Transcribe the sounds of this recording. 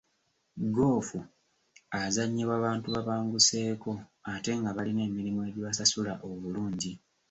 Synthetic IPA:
ɡo̞ːfu | azaɲːiβwaβaːntuβaβaːŋɡuse̞ːko̞ate̞ŋɡaβaline̞ːmiɾimue̞ɟiβasasulaʔo̞βuluːɲɟi

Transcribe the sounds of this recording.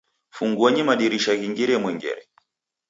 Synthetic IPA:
fuŋɡuaɲimaɗiɾiʃaɣiŋɡiɾɛmwɛŋɡɛ̰ɾɛ

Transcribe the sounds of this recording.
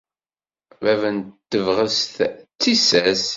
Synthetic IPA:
vævənt̪ːəvʁəsθt͡sːisæs

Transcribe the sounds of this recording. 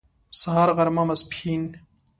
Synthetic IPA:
saɦaɾɣɐɾmamɐspʰin

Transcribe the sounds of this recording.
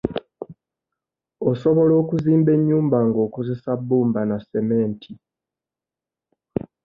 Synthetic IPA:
o̞so̞βo̞lo̞ːkuziːmbe̞ɲːuːmbaŋɡo̞ːko̞ze̞sabːuːmbanase̞me̞ːntʰi

